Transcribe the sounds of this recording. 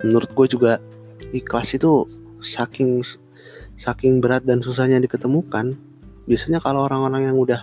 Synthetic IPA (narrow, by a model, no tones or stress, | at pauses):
mənuɾʊt̪̚ɡuad͡ʒuɡa | diklasit̪u | sakɪŋ | sakɪŋbəɾat̪̚dansus̬ahɲadikət̪əmukan | biasaɲakaloːɾaŋoɾaŋjaŋudah